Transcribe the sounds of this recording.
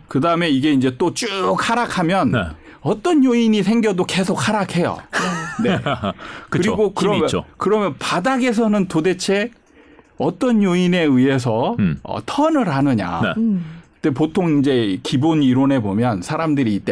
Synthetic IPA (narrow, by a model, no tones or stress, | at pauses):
kɯdaɯme̞iɡe̞ind͡ʑe̞t͈ot͡ɕ͈uk̚haɾakʰamjʌn | ʌt͈ʌɲjoiɲis̬ʰe̞ŋɡjʌdoke̞sʰok̚haɾakʰe̞jo̰nekɯɾɾiɡokɯɾʌmjʌkɯɾʌmjʌnpadaɡe̞s̬ʰʌnɯntode̞t͡ɕʰe̞ | ʌt͈ʌnjoine̞iɦe̞s̬ʰʌʌ̰tʰʌnɯɾɦanɯɲa̰t͈epotʰoŋind͡ʑe̞kiboniɾonɦe̞bomjʌnsʰaɾamdɯɾiːt͈e